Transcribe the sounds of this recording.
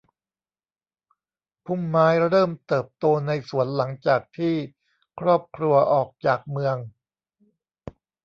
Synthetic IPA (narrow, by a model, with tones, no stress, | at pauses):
pʰu˥˩mːaː˦˥jɾɤː˥˩mt̪ɤː˨˩p̚t̪oː˧na˧jsu˩˦ənla˩˦ŋt͡ɕaː˨˩k̚t̪ʰiː˥˩ | kʰɾɔː˥˩p̚kʰɾu˧ɐʔɔː˨˩k̚t͡ɕaː˨˩k̚mɯ˧əŋ